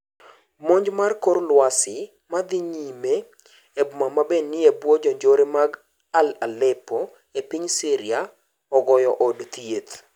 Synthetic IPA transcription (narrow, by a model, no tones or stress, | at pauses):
moɲd͡ʒmarkoɾlwasɪ | mad̪ɪɲime | ebʊmamabenːɪebwɔd͡ʒɔɲd͡ʒoɾemaɡ | alalɛpɔ | epiɲsiɾɪa | ɔɡɔjɔʔɔdt̪jet̪